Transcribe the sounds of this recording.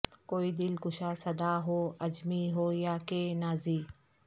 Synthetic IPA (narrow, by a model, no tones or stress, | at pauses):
koːiːd̪ɪlkʊʃaːsɐd̪aːɦoːɐd͡ʒmiɦoːjaːkeːnaːziː